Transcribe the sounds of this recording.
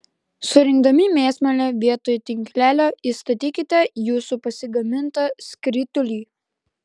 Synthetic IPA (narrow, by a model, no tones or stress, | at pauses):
sʊɾʲɪŋɡd̪ɐmʲimʲeːsʲmʲɛlʲɛʋʲiɛt̪oːjʊt̪ʲɪŋʲkʲlʲæːlʲoːiːst̪ɐt̪ʲiːkʲɪt̪ʲɛjuːsupɐsʲɪɡɐmʲɪnt̪ɐsʲkɾʲɪt̪ʊlʲiː